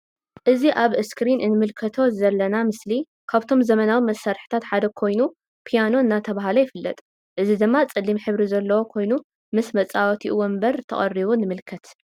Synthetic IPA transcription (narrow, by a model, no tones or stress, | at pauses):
ʔɨziʔaβɨskɾinʔɨnɨmɨlkʰɐt̪ʰo̞zɐlːɐnamɨsli | kʰaβt̪ʰo̞mzɐmɐnawimɐsːaɾħi̥t̪ʰat̪ħad̪ɐkʰo̞jnu | pʰijano̞ɨnːat̪ʰɐβaɦalojɪfɨlːɐ̰t̪ʼ | ʔɨzid̪ɨmːat͡sʼɨlːimħɨβɾizɐlːɐwo̞kʰo̞jnu | mɨsmɐt͡sʼawɐt̪ʰiʔɨwɔmbɐɾt̪ʰɐ̰χʼɐ̰rːiβunɨmɨlkʰɐt̪